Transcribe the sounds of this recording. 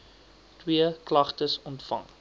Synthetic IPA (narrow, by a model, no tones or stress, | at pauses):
twiəklɐχtəsɔntfɐ̰ŋ